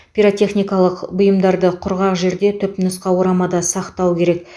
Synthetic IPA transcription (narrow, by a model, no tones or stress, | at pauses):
pʲiɾot̪ʲe̞χnijkɑlˠəqbʊjəmd̪ɑɾd̪əqʰʊɾʁɑqʒe̞ɾd̪e̞t̪ʰʏpnəsqɑwoɾɑmɑd̪ɑsɑqt̪ɑwkʲʰe̞ɾe̞k